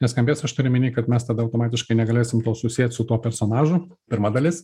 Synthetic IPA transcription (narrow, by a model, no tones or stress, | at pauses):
nʲɛskɐmʲbʲeːsɐʃt̪ʊɾʲɪmʲɪnʲiːkɐt̪mʲɛst̪ɐd̪ɐʊt̪oːmɑːt̪ʲɪʃkɐɪnʲɛɡɐlʲeːsʲɪmt̪oːsʊsʲiɛt̪ʲsʊt̪uɔpʲɛɾsoːnɑːʒʊ | pʲɪɾmɑd̪ɐlʲɪs